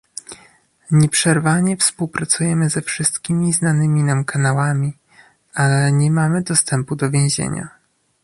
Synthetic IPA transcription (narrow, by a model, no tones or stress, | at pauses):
ɲɛpʂɛɾvaɲɛfspuwpɾat̪sujɛmɘzɛfʂɘst̪kʲimʲiznanɘmʲinamkʰanawamʲi | alɛɲɛmamɘd̪ɔst̪ɛmpud̪ɔvʲjẽʑḛɲa̰